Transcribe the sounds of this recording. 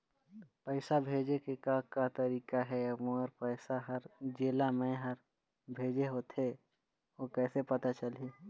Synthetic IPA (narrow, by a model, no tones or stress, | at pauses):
pəɪsabʱeːd͡ʒekekakat̪əɾiːkaɦɛmõəɾpəɪsaɦəɾd͡ʒeːlamẽɦəɾ | bʱeːd͡ʒeɦoːt̪e | okɛːsepɐt̪at͡ʃəli